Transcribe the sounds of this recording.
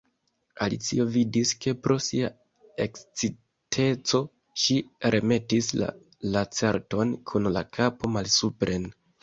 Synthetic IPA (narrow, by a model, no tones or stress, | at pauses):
alit͡sio̞vidiske̞pɾo̞sia | e̞kt͡si | tʰe̞t͡so̞ | ʃiɾʔe̞me̞tisla̰ | lat͡se̞ɾto̞nkʰunla̰kʰapo̞malsupɾʔe̞n